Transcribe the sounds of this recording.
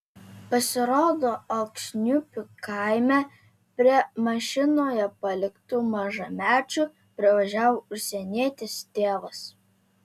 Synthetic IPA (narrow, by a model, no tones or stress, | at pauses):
pɐsʲɪɾoːd̪oːɐlkʃʲnʲʊpʲʊkɑˑɪmʲæ | pʲɾʲiɛmɐʃʲɪnoːjɛpɐlʲɪkt̪ʊmɐʒɐmʲæːt͡ʃʲʊ | pʲɾʲɪʋɐʒʲæːʋoʊʃʲsʲɛnʲeɛt̪ʲɪst̪ʲeːʋɐs